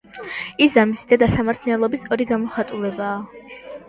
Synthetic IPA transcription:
iszamisid̪ad̪asamaɾt̪ʰnɛlˠɔbisɔɾiɡamɔχat̪ʼulɛbaː

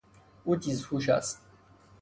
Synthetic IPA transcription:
utʼizhuʃa̰s

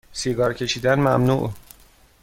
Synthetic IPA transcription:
siɡɒːɾcʰe̞ʃiːd̪ænmæmnṵʔ

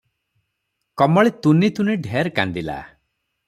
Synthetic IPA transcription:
kɔmɔɭet̪unit̪uniɖʱeɾka̰nd̪ila̰

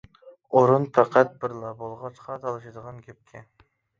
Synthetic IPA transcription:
oɾunpʰæqʰæt̪̚bɪɾlˠɑbolˠʁɑt͡ʃqʰɑt̪ʰɑlˠɨʃɨd̪əʁɑnkʲʰep̚kʲʰɪ

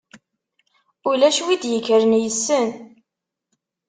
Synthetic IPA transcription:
ʊlæʃwid̪jəkːəɾənjəsːən

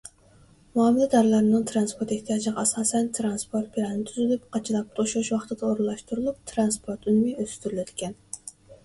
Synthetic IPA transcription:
muɑmɨlˠɛd̪ɑɾlˠɑɾɨnɨŋt̪ʰɾɑnspoɾt̪eht̪ʰijɑːd͡ʒlʁɑːsɑːsɛnt̪ʰɾɑnspʰoɾt̪̚pʰiɾɑnnɪt̪ʰyzylyp̚qʰɑt͡ʃʰɨlˠɑp̚t̪ʰoʃuʃwɑχt̪ɨd̪ɑoɾlˠɑʃt̪uɾulˠup̚t̪ʰɾɑnspʰoɾt̪ynmɪøzst̪yɾylɛt̪ʰɪ̥kʲʰɛn

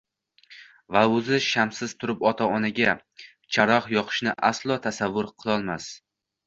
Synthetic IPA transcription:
vaʊzɪʃamsɪzt̪ʰʊɾɪpɒt̪ʰaɒnaɡʲa | t͡ʃʰaɾɒχjɒqʰɨ̥ʃnɪʔaslˠɒt̪ʰasavːʊɾqʰɨlˠɒlˠmas

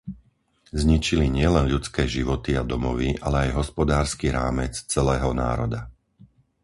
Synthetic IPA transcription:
zɲit͡ʃiliɲɪɛlɛnʎut͡skɛːʒiʋɔt̪iad̪ɔmɔʋiʔalɛajɦɔspɔd̪aːɾskiɾa̰ːmɛt͡st͡sɛlɛːɦɔna̰ːɾɔd̪a

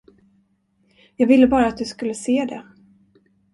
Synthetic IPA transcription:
jɑːɡvɪlːəbɑːɾaːt̪̚d̪ɵskɵlːəseːd̪ɛ̰

